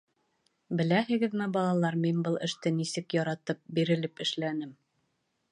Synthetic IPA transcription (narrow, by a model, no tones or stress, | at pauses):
bɘ̆læhɘ̆ɡɘ̆ðmɘbɒlˠɑlˠɑɾminbɤlˠɘ̆ʃt̪ɘnisɘkjɒɾɑt̪ɤp̚biɾɘ̆lɘpɘ̆ʃlænɘm